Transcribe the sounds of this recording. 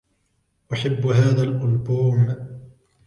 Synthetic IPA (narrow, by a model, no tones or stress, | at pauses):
ʔaħabːɦaːðaːlʔʊlbuːm